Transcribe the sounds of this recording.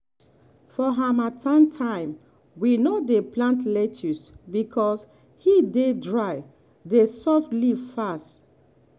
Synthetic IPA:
fɔɦamatʰãntʰãɪ̃m | winodeplãntlɛtʰusbikʰɔs | hidedɹaɪ | desɔfliv̥fast

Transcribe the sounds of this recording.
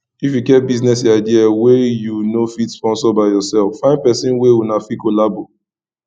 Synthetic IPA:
ifjuɡɛt̚biznɛs̬aɪdiawejunofitspɔ̃nsɔbaɪjɔsɛlfːãɪ̃npɛsĩnwewunafikolabo

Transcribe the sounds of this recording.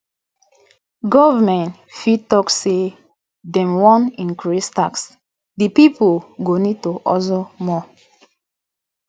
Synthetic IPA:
ɡɔvamɛ̃nt | fid̚tɔkse | dɛ̃mwɔ̃nĩnkɹistaks | dipipoɡonitoʔɔzomɔ

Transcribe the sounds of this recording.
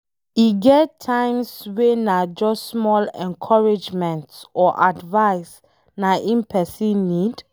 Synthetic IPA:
iɡɛtʰːãɪ̃mswenad͡ʒɔssmɔlɛ̰̃nkʰɔɹid͡ʒmɛ̃ntɔʔadvaɪs | naʔĩnpʰɛsĩnːid

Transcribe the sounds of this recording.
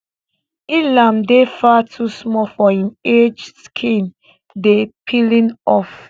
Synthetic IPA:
ilãmdefatʰusmɔfɔĩned͡ʒskʰĩn | depʰilĩnɔf

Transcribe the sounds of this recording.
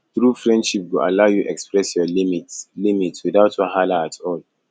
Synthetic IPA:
θɹufɹɛ̃ndʃip̚ɡuʔa̰laʊjuʔɛkspɹɛsjɔlimitlimitswiðaʊtʰɔɦalaatʰɔl

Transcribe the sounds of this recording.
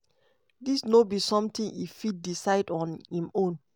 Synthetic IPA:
disnobisɔ̃mtĩnifit̚disaɪdɔ̃nhĩmõn

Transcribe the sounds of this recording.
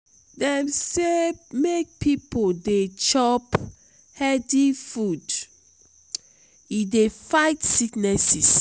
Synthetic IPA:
dɛ̃msemek̚pʰipodet͡ʃɔp | hɛdifud | idefaɪtsiknɛsis

